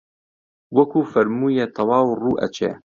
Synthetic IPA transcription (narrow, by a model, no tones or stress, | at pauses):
wɐkʰuːfɐɾmuːjet̪ʰɐwɑːwruːʔɐ̰t͡ʃʰḛː